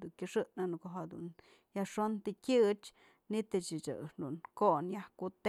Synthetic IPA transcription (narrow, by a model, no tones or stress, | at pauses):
d̪uŋkʲɨʂɨʔnanukoʔɦad̪ṵn | jaʂont̪ikʲɨt͡ʃ | nit̪ɨt͡ʃɨt͡ʃɨ̰ʂd̪unkoʔnjahkut̪